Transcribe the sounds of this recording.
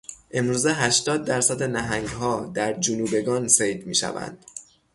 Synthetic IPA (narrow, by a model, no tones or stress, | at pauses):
ʔe̞mɾuːze̞ɦæʃt̪ɒːd̪̚ːæɾsæd̪enæɦæŋɡɦɒːd̪æɾd͡ʒunuːbe̞ɡɒːnsejd̪mḭːʃæ̰væ̰nd̪̥